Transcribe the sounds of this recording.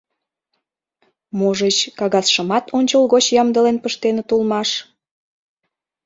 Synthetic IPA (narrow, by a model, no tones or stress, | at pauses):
moʒet͡ɕkɑɣɑsʃəmɑt̪ʰonʲt͡ɕəlˠɣot͡ɕjɑmd̪əlenpəʃt̪enet̪ulmɑʃ